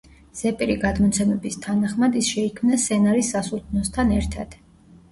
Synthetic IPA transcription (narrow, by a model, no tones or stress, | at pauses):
z̥ɛpʼiɾiɡad̪mɔt̪sʰɛmɛbist̪ʰanaχmad̪isʃɛikʰmnasɛnaɾisːasulˠt̪ʰnɔst̪ʰanɛɾt̪ʰa̰d̪̥